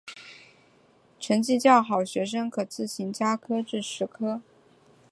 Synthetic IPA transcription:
ʈ͡ʂʰə˧˥ŋt͡ɕi˥˧t͡ɕjɑ˥˩ʊxɑ˨˩ʊɕɥɛ˧˥ʂ̬ɤ˥ŋkʰɤ˨˩t͡sɹ̩˥˩ɕi˧˥ŋt͡ɕja˥kʰɤ˥ʈ͡ʂɻ̩˥˩ʂɻ̩˧˥kʰɤ˥

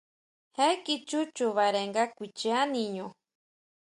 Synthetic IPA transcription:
he˦kit͡ʃu˦t͡ʃuβa˨ɾe˨ŋɡa˦kʷi˨t͡ʃea˦niɲo

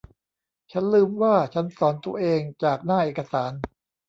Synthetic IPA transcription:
t͡ɕʰa˦˥nlɯː˧˩mwaː˥˩t͡ɕʰa˦˥nsɔː˩˦nt̪ṵ˧ɐʔeː˧ŋt͡ɕaː˨˩k̚naː˥˩ʔeː˨˩ka˧saː˩˦n

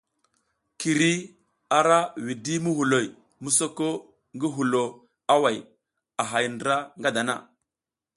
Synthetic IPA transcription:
ki˨ɾi˦ | a˨ɾa˦wi˨di˦mu˦hu˨lo˨j | mu˦so˦ko˦ | ŋɡi˦ɦu˨lo˨ | a˦wa˨j | a˨ɦa˨jndɾa˦ŋɡa˦da˨na̰˦˨

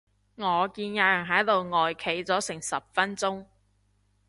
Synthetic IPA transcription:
ŋɔː˨˧kiː˧njaː˧jɐ˨˩ŋɦɐ˨˥jt̪o˨wŋɔː˨jkʰe˨˥jt͡sɔː˨˥sɪ˨˩ŋsɐ˨p̚fɐ˥nt͡sʊ˥ŋ

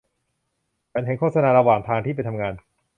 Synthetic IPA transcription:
pʰɛː˨˦nɦe˨˦nkʰoː˥˩sa˧naː˧ɾa˧waː˨˩ŋt̪ʰaː˧ŋt̪i˥˩pa˧jt̪ʰa˧mŋaː˧n

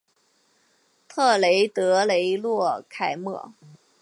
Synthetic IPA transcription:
t̪ʰɤ˥˩le˧˥ɪt̪ɤ˧˥le˧˥ɪlwɔ˥˩kʰa˨˩ɪmɤ̰˥˩

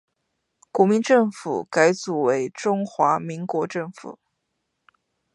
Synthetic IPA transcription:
kwɔ˧˥mi˧˥nʈ͡ʂɤ˥˩ŋfu˨˩˦ka˧˥ɪt͡su˨˩we˧˥ɪʈ͡ʂʊ˥ŋxwa˧˥mi˧˥ŋkwɔ˧˥ʈ͡ʂɤ˥˩ŋfṵ˨˩˦

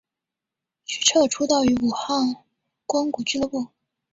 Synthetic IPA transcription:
t͡ɕʰy̥˥˩ʈ͡ʂʰɤ˥˩ʈ͡ʂʰu˥t̪ɑ˥˩ʊy˧˥u˨˩xɑ˥˩ŋ | kwa˥ŋku˨˩t͡ɕy˥lpu˥˩

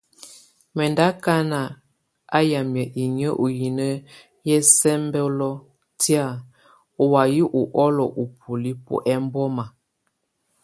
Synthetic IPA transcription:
mɛ˨nda˦ka˦na˨ | a˦ja˨mjə˨ʔi˨ɲə˦ʔu˨ji˨nə˦ | jɛ˦sɛ˦mbɛ˦lɔ˦ | ti˦a˦˨ | o˨wa˨ji˦ʔu˨ʔɔ˦lɔ˨ʔu˨pʰu˨li˦pṵ˨ʔɛ˦m˦bɔ˦ma˨

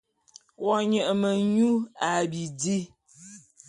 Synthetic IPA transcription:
wɔ˨ɲə˨ʔmə˨ɲu˦a˨bi˨d͡zi˦

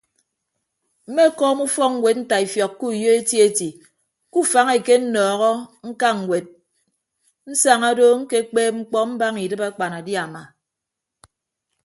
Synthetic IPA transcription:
m̩˦me˦kɔː˦mu˦fɔ˦k̚ŋ̩˦we˨t̚n̩˦ta˨i˨fjɔ˨kːu˦˨jo˦e˦ti˦e˦ti˨ | ku˦fa˨˦ŋe˨ke˦n̩˦nɔː˨ɣɔ˦ŋ̩˦ka˦ŋ̩˨we˨t̚ | n̩˦sa˨ŋa˦do˦ŋ̩˦ke˦k͡peː˦p̚ŋ͡m̩˦k͡pɔ˦m̩˦ba˦ŋi˨dɨ˦pa˦k͡pa˨na˨dja˨ma˨

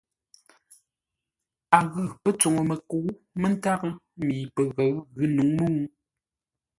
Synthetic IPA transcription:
a˨ɣə˨pə˦t͡so˨ŋo˨mə˨ku˨˦ | mə˦n˦ta˦k | miː˨pə˨ɣə˨˦ɣʉ˨˦nu˨˦ŋmu˦ŋu˦

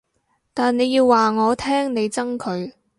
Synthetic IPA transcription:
t̪aː˨nne˨˧jiː˧wːaː˨ŋɔː˨˧t̪ʰɛː˥ŋne˨˧jt͡sɐ˥ŋkʰɵ˨˧ɥ

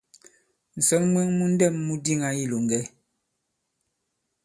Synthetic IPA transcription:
n̩˨sɔ˨˦nmwɛ˦ŋmu˦n̩˦dɛ˦˨mːu˦di˦˨ŋa˦i˦˨lo˨ŋ̩˨ɡɛ˦

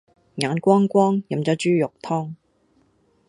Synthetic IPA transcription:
ŋaː˨˥nkʷɔː˥ŋkʷɔː˥ŋjɐ˨˩mt͡sɔː˨˥t͡ʃyː˥jʊ˨k̚t̪ʰɔː˥ŋ

